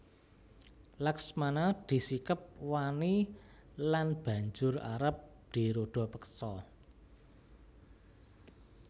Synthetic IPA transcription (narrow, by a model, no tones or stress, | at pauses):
laksmanad̪̥i̤sikəp̚wani | lanb̥ä̤ɲd͡ʒʊra̰ɾəp̚ | d̪̥i̤ɾoɖ̥ɔ̤pəksɔ